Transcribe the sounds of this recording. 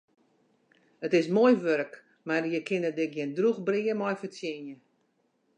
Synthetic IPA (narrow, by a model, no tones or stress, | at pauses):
ətɪsmoːjʋøɾək | marjəkʰɪnədɪk̚ɡjɪndruxbriəmɔjfət͡sjenjə